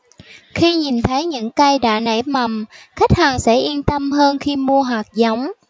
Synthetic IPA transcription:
xi˧ɲi˨˩nt̪ʰə˨˦jɲɨ̰˧˥ŋka˧jɗa̰ː˧˨na˧˩jma˨˩mxa˦˥jk̚haː˨˩ŋsɛ̰˧˥ʔi˧ənt̪ə˧mɦəː˧nxi˧mu˧əɦwaː˨˩k̚za˨˦wŋ͡m

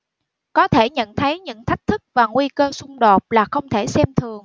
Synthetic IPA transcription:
kɔ˨˦t̪ʰe˧˩ɲə̰˧˨nt̪ʰə˨˦jɲɨ̰˧˥ŋt̪ʰa˦˥jk̟̚t̪ʰɨ˦˥k̚vaː˨˩ŋwi˧kəː˧sʊ˧ŋ͡mɗo˨˩t̚laː˨˩xə˧wŋ͡mt̪ʰe˧˩sɛ˧mt̪ʰɨ˨˩əŋ

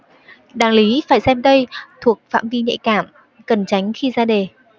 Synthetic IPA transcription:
ɗaː˨˩ŋli˨˦faː˧˩jsɛ˧mt̪ə˧jt̪ʰu˨˩ək̚fa̰ː˧˨mvi˧ɲə̰˧˥jkaː˧˩m | kə˨˩nt͡ɕa˨˦jŋ̟xi˧zaː˧ɗe˨˩

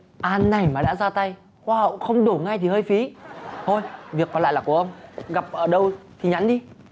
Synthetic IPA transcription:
ʔaː˧nːa˨˩jmaː˨˩ɗa̰ː˧˥zaː˧t̪a˧j | hwaː˧hə̰˧˨wxə˧wŋ͡mɗo˧˩ŋa˧jt̪ʰi˨˩həː˧jfi˨˦t̪ʰo˧jvi˨˩əkːɔ˨˦la̰ː˧˨jlaː˨˩ku˧˩əʔə˧wŋ͡mɣa˨˩p̚ʔəː˧˩ɗə˧wt̪ʰi˨˩ɲa˨˦nɗi˧

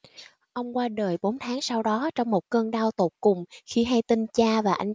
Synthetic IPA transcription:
ʔə˧wŋ͡mkwaː˧ɗəː˨˩jɓo˨˦nt̪ʰaː˨˦ŋsa˧wɗɔ˨˦t͡ɕɔ˧wŋ͡mmo˨˩t̚kəː˧ŋɗa˧wt̪o˨˩kʊ˨˩ŋ͡mxi˧ɦa˧jt̪i˧nt͡ɕaː˧vaː˨˩ʔa˧jŋ̟

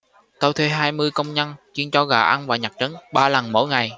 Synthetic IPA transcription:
t̪o˧wt̪ʰwe˧ɦaː˧jmɨ˧əjkə˧wŋ͡mɲə˧nt͡ɕi˧ənt͡ɕɔ˧ɣɔ̰ː˧˨˩ʔa˧nvaː˨˩ɲa˨˩k̚t͡ɕə˨˦nɓaː˧la˨˩nmo̰˧˥˦jŋa˨˩j

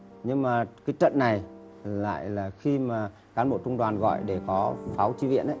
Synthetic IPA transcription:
ɲɨ˧ŋmaː˨˩kaː˨˦jt͡ɕə̰˧˨nnːa˨˩j | la̰ː˧˨jlaː˨˩xi˧maː˨˩ | kaː˨˦nɓo̰˧˨t͡ɕʊ˧wŋ͡mɗwaː˨˩nɣɔ̰˧˨jɗe˧˩kɔ˨˦faː˨˦wt͡ɕi˧˦vḭ˧˨ənʔə˨˦

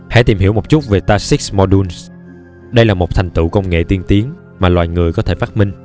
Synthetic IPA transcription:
ha̰˧˥t̪i˨˩mɦi˧˩əmo˨˩t͡ɕu˦˥k͡p̚ve˨˩t̪aː˧si˦˥k̚mɔ˧ɗu˧ns | ɗə˧jlaː˨˩mo˨˩t̪ʰjŋ̟t̪ɨ̰˧˨kə˧wŋ͡mŋḛ˧˨t̪i˧ənt̪i˨˦əŋ | maː˨˩lwaː˨˩jŋɨ˨˩əjkɔ˨˦t̪ʰe˧˩faː˦˥mï˧ŋ̟

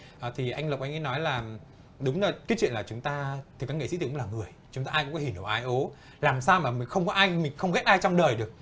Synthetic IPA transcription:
ʔəː˨˩t̪ʰi˨˩ʔa˧jŋ̟lə˨˩k͡p̚ʔa˧ŋʔnɔ˨˦jlaː˨˩ | ɗʊ˨˦ŋ͡mːkaː˨˦t͡ɕwḭ˧˨nlaː˨˩t͡ɕʊ˨˦ŋ͡mt̪aː˧t̪ʰɨ˨˩kːaː˨˦˥ŋḛ˧˨sḭ˧˥˨klaː˨˩ŋɨ˨˩əjt͡ɕʊ˨˦ŋ͡mt̪aː˧aː˧jkʊ̰˧˥ŋ͡mkɔ˨˦hi˧˩nʔə˨˧˩ʔaː˧jʔo˨˦ | laː˨˩msaː˧wmaː˨˩mï˨˩ŋ̟xə˧wŋ͡mkɔ˨˦ʔaː˧jmï˨˩ŋ̟xə˧wŋ͡mɣɛ˦˥t̚ʔaː˧jt͡ɕɔ˧wŋ͡mɗəː˨˩jɗɨ˨˩ək̚

